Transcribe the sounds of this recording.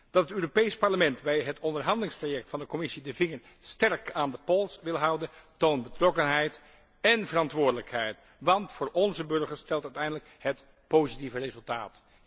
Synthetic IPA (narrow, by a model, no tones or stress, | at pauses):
d̥ɑtətøːropejspɑɹləmɛntbɛjɦətɔndəɹɦɑndəlɪŋstrajɛk̚tfɑndəkɔmɪsidəvɪŋəɹ | stɛɹkaːndəpɔlˠsʋɪlˠɦɑwdəntownbətrɔkənɦɛjt | ɛnvərɑntʋʊːɹdələkɦɛjt | ʋɑntfʊːɹɔnzəbɵɹχəɹstɛlˠtœɥtɛjndələkɦət | powzitivərezɵlˠtaːt